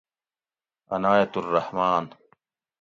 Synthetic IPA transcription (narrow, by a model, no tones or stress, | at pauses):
ɐnaːjɐt̪ʊrːɑhmaːn